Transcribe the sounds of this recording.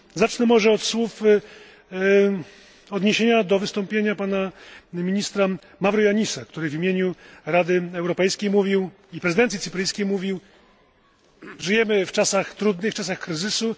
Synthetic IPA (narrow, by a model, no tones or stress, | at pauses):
zat͡ʂnɛmɔʐɛɔt̪swuf | ɔd̪ɲeɕeɲad̪ɔvɘst̪ɔmpʲjeɲapanamʲiɲist̪ɾa | mavɾujaɲisakt̪uɾɘvʲimʲjeɲuɾad̪ɘɛwɾɔpɛjskʲejmuvʲiw | ipɾɛzɨɘd̪ɛnʲit̪sɘ̥pɾɘjskʲejmuvʲiw | ʐɘjɛmɘft͡ʂasaxt̪ɾud̪nɘft͡ʂas̬axkɾɘzɘsu